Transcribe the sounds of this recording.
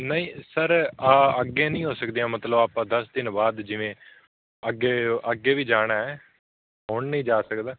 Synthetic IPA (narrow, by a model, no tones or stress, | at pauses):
nəĩːsəɾaːəɡːeːnĩːɦoːsəkd̪ijãːmət̪ləbaːpãːd̪əsd̪ɪnbaːd̪d͡ʒɪʋẽː | əɡeːəɡːeːʋiːd͡ʒaːɽ̃aːɦɛː | ɦoːɳnəĩːd͡ʒaːsəkd̪aː